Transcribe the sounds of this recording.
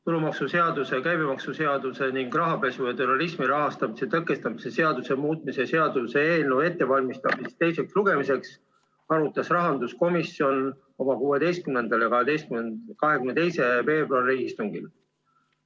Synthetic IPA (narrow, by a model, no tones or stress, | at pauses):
t̪ulumɑksuse̞ɑd̪use̞kæjbimɑksuse̞ɑd̪use̞niŋɡ̥rɑɦɑpe̞sujɑt̪uɾɑlismiɾɑɦɑst̪ɑmise̞t̪ɤkːˑe̞st̪ɑmise̞se̞ɑd̪use̞muːt̪̚ˑmisese̞ɑd̪̥use̞eːlnuwe̞t̪ːe̞vɑlʲmist̪ɑbsist̪e̞jse̞ksluɡ̥e̞mise̞ks | ɑɾut̪ːˑɑsrɑɦɑnd̪̥usko̞misːio̞n | o̞mɑkuːe̞d̪e̞jst̪̚kymne̞nd̪̥ɑljɑkɑɦed̪e̞jskykɑɦe̞kymnet̪e̞jse̞ve̞ːbroɑlre̞ɡist̪uŋɡ̥il